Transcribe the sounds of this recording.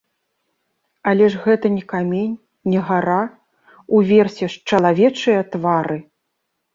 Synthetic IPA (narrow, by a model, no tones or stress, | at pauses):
ɐlʲɛʐɣɛt̪ɐnʲɛkamʲenʲ | nʲɛɣaɾa | uvʲɛrsʲɛʂt͡ʂɐlˠavʲɛt͡ʂɨjɐt̪vaɾɨ